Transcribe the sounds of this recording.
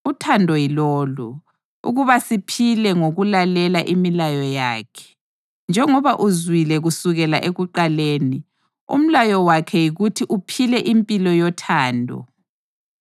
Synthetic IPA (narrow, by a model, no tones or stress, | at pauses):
utʰandʱɔjilɔːlu | ṵɣuβasipʰilɛŋoɣulalɛlaʔimilajɔja̰ːkʰɛ̥ | nd͡ʒʱɛŋɔβaʔuzwilɛɣusuɣɛlaʔeɣuǃaleːni | ṵm̩lajɔwakʰɛjiɣutʰiʔupʰilɛʔimpʼilɔjɔtʰaːndʱɔ̰